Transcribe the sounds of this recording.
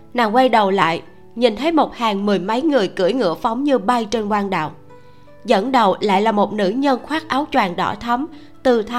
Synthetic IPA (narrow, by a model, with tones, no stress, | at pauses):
naː˨˩ŋkwa˧jɗə˨˩wla̰ː˧˨j | ɲi˨˩nt̪ʰə˨˦jmo˨˩t̚haː˨˩ŋmɨ˨˩əjmə˨˦jŋɨ˨˩əjkɨ˧˩əjŋɨ̰˧˥əfa˨˦wŋ͡mɲɨ˧ɓa˧jt͡ɕe˧nkwaː˧nɗa̰ː˧˨w | zə̰˧˥nɗə˨˩wla̰ː˧˨jlaː˨˩mo˨˩t̚nɨ̰˧˥ɲə˧nxwaː˦˥k̚ʔaː˨˦wt͡ɕwaː˨˩nɗɔ̰˧˩t̪ʰə˨˦m | t̪ɨ˨˩t̪ʰa˨˦